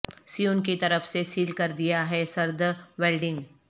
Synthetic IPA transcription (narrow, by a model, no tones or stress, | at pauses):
sijuːnkit̪ɐɾəfsesiːlkɐɾd̪ijaɦɛsɐɾd̪ʋeːlɖɪ̃ŋɡ